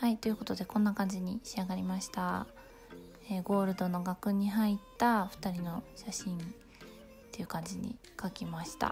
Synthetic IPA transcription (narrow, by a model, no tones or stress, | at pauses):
hait̪o̞jɯ̟ko̞t̪o̞d̪e̞kõ̞nːakãɲ̟d͡ʑiɲ̟iɕiaɡaɾʲimaɕi̥t̪a | eːɡo̞ːɾɯ̟d̪o̞no̞ɡakɯ̟ɲ̟iɦait̪ːaɸɯ̟̥t̪aɾʲino̞ɕaɕĩn | t̪e̞jɯ̟kãɲ̟d͡ʑiɲ̟ḭ | kakʲimaɕi̥t̪a̰